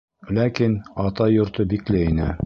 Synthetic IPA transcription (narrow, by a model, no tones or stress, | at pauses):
lækinɑt̪ɑjŏɾt̪ɤbiklɘinɘ